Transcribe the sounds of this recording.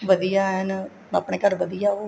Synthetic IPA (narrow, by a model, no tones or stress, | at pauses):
ʋəd̪ijaːɦɛn | ə̰pɳeːkəɾʋəd̪ijaːoː